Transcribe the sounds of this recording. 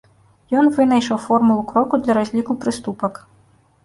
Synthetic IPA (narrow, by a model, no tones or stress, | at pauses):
jɔnvɨnɐjʂɐwfɔrmulˠukɾɔkud̪lʲɐɾazʲlʲikupɾɨst̪upɐk